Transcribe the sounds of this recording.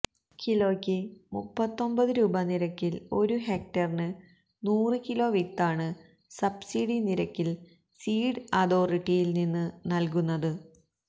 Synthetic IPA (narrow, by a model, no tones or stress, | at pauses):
kilo̞ːkʲːɨmupːɐt̪ːo̞mbɐðɨɾuːbɐniɾɐkːilo̞ɾuɦeːk̚ʈɐrnɨ | nuːrɨkilo̞ːʋik̚t̪aːɳɨ | sɐbsiɽiniɾɐkʲːil | siːɖɨɐðo̞ːriʈːijilninːɨnɐlk̬unːɐðɨ